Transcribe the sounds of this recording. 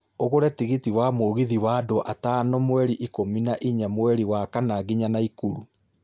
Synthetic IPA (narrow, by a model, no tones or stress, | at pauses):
oɣoɾɛtiɣitiwamoːɣiðiwaːdoʔatanomwɛɾiʔikominaʔiɲamwɛɾiwakanaɡiɲanaikuɾu